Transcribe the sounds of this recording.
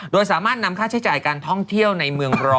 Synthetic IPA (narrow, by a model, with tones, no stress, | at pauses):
doː˧jsaː˩˦maː˥˩t̪̚na˧˥mkʰaː˥˩t͡ɕʰa˦˥jt͡ɕaː˨˩jkaː˧nt̪ʰɔ˥˩ŋt̪ʰi˥˩əwna˧jmɯ˧əŋɾɔː˧